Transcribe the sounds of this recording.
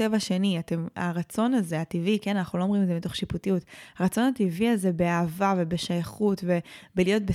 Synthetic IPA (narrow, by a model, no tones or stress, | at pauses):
tevaʃe̞niate̞ma̰ʁat͡so̞naze̞ativikenanaχnuloomʁimezemito̞χʃiputijutaʁat͡so̞nativialze̞beaːvave̞be̞ʃajaχutve̞belijo̞t̚be